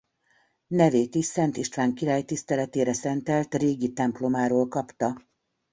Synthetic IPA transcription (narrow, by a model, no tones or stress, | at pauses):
nɛveːt̪iʃsɛnt̪iʃt̪ʋaːŋkiɾaːjt̪ist̪ɛlɛt̪eːɾɛsɛnt̪ɛlt̪reːɡit̪ɛmplo̞maːɾoːlkɒpt̪ɒ